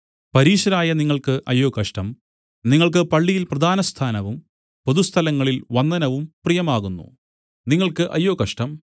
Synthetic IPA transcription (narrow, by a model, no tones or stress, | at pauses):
pɐɾiːʂɐɾaːjɐniŋːɐɭkɨʔɐjːoːkɐʂʈɐm | niŋːɐɭk̬ɨpɐɭːijilprɐd̪ʱaːnɐst̪ʰaːnɐʋum | poðust̪ʰɐlɐŋːɐɭilʋɐnːɐnɐʋumprijɐmaːɣunːṵ | niŋːɐɭkɨʔɐjːo̞ːkɐʂʈɐm